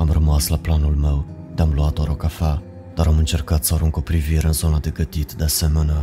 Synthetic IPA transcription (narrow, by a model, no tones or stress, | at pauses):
amrəmaslaplanulme̞w | d̪eamluat̪aɾo̞kafa | d̪̥aɾamɨnt͡ʃe̞rkat̪səaɾuŋko̞pɾiviɾeɨnzo̞nad̪e̞ɡət̪it̪d̪ease̞menea